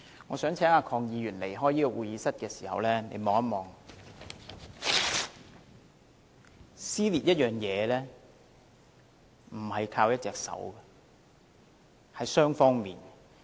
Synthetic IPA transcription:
ŋɔː˨˧sœː˨˥ŋt͡sʰɛː˨˥ŋaː˧kʰɔː˧ŋjiː˨˧ɥyː˨˩nle˨˩jɦɔː˥jiː˥kɔ˧wuː˨jiː˨˧sɐ˥t̚kɛː˧si̥ː˨˩hɐ̰˨wlɛː˥nḛ˨˧jmɔː˨˧ŋɐ˥t̚mɔː˨˩ŋ | siː˥liː˨t̚jɐ˥t̚jœː˨ŋjɛː˨˧lɛː˥ | m̩˨˩hɐ˨jkʰaː˧wjɐ˥t̚t͡sɛː˨k̚sɐ̰˨˥wɡɛ˨ | hɐ˨˥jsœː˥ŋfɔː˥ŋmiː˨n

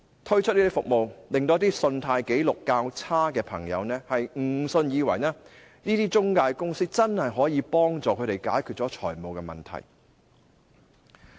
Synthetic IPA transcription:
t̪ʰɵ˥ɥt͡ʃ̚ʰniː˥iː˥fʊ̰˨k̚mo˨wlɪ˨ŋt̪o˧˥t̪iː˥sɵ˧nt̪ʰaː˧jke˨˥jlʊ˨kːaː˧wt͡sʰaː˥kɛː˧pʰɐ˨˩ŋjɐ̰˨˧wnɛː˥hɐ˨jŋ̩˨˩sɵ˧njiː˨˧wɐ̰˨˩jnaː˥ | niː˥t̪iː˥t͡ʃʊ˥ŋkaː˧jkʊ˥ŋsiː˥k̚t͡sɐ˥nhɐ˨jɦɔː˨˥jiː˨˧pɔː˥ŋt͡sɔː˨kʰɵ˨˧ɾe˨jkaː˨˥jkʰy˨t̚t͡sɔː˨˥t͡ʃʰɔ̰ː˨˩jmo˨˧wkɛː˧mɐ̰˨˩nt̪ʰɐ̰˨˩j

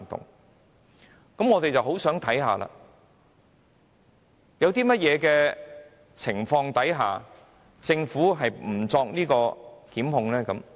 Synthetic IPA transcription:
t̪ʊ̰˨ŋ | kɐ˨˥mŋɔː˨˧t̪e˨jt͡sɐ˨wɦo˨˥wsœː˨˥ŋt̪ʰɐ˨˥jɦa̰ː˨la̰ː˧ | jɐ˨˧wt̪iː˥mɐ˥t̚jɛː˨˧kɛː˧ | t͡sʰɪ˨˩ŋfɔː˧ŋt̪ɐ˨˥jɦa̰ː˨ | t͡sɪ˧ŋfuː˨˥ɦɐ˨jm̩˨˩t͡sɔː˧k̚niː˥kɔː˧kiː˨˥mhʊ˨˧ŋlɛː˥kɐ˨˥m

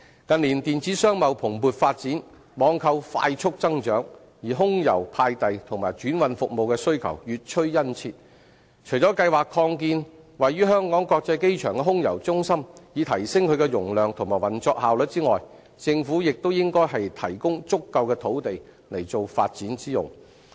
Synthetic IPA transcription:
kɐ˨nliː˨˩nt̪iː˨nt͡siː˨˥sœː˥ŋmɐ˨˧wpʰʊ˨˩ŋpuː˨t̚faː˧t̚t͡siː˨˥n | mɔː˨˧ŋkʰɐ˧wfa̰ː˧jt͡ʃʰʊ˥k̚t͡sɐ˥ŋt͡ʃœː˨˥ŋ | jiː˨˩ɦʊ˥ŋjɐ˨˩wpʰaː˧jt̪ɐ˨jt̪ʰʊ˨˩ŋmaː˨˩jt͡ʃyː˨˥nwɐ˨˧nfʊ˨k̚mo˨wkɛ˧sɵ˥ɥkʰɐ̰˨˩wjyː˨t̚t͡ʃʰɵ˥ɥjɐ˥nt͡sʰiː˧t̚ | t͡ʃʰɵ˨˩jt͡sɔː˨˥kɐ˧jwaː˨kʰːɔː˧ŋk̬iː˧n | wɐ˨jɥyː˥ɦœː˥ŋkɔː˨˥ŋkɔː˧k̚t͡sɐ˧jke˥jt͡ʃʰœː˨˩ŋkɛ˧ɦʊ˥ŋjɐ̰˨˩wt͡sʊ˥ŋsɐ˥mjiː˨˧t̪ʰɐ˨˩jsɪ˥ŋkʰɵ˨˧kɛ˧jʊ˨˩ŋlœː˨˩ŋt̪ʰʊ˨˩ŋmaː˨˩wɐ˨˩nt͡sɔː˧k̚haː˨wlɵ˨t̚t͡siː˥ŋɔː˨j | t͡sɪ˧ŋfuː˨˥jɪ˨k̚t̪o˥wjɪ˥ŋkɔː˥jɦɐ˨jt̪ʰɐ˨˩jkʊ˥ŋt͡sʊ˥kːɐ˧wkɛː˧t̪ʰo˨˥wt̪e˨j | le˨˩jt͡so˨wfa̰ː˧t̚t͡siː˨˥nt͡siː˥jʊ̰˨ŋ

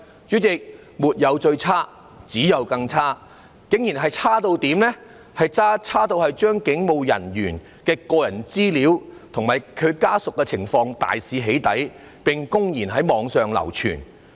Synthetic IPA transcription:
t͡ʃyː˨˥t͡sɪ˨k̚ | muː˨t̚jɐ˨˧wt͡ʃɵ˧ɥt͡sʰaː˥ | t͡siː˨˥jɐ˨wkɐ˧ŋt͡sʰaː˥ | kɪ˨˥ŋjiː˨˩nɦɐ˨jt͡sʰaː˥t̪o˧wt̪iː˨˥mlɛː˥ | hɐ˨jt͡saː˥t͡sʰaː˥t̪o˧whɐ˨jt͡ʃœː˥ŋkɪ˨˥ŋmo˨˧wjɐ̰˨˩njyː˨˩n | kɛː˧kɔː˧jɐ˨˩nt͡siː˥liː˨˥wt̪ʰʊ˨˩ŋmaː˨˩jkʰɵ˨˧ɥkaː˥sʊ˨kːɛ˧t͡sʰɪ˨˩ŋfɔː˧ŋt̪a̰ː˨jsiː˨˧ɦe˨˥jt̪ɐ˨˥j | pɪ˨ŋkʊ˥ŋjiː˨˩nɦɐ˨˥jmɔː˨˧ŋsœː˨ŋlɐ̰˨˩wt͡ʃʰy̰ː˨˩n

